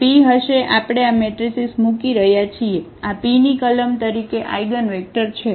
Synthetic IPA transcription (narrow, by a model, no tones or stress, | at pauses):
piɦəʃeʔapɽ̃eameʈɾisismukiɾəɦjat͡ʃʰieapinikələmt̪əɾikeʔa̰jɡənʋek̚ʈəɾt͡ʃʰe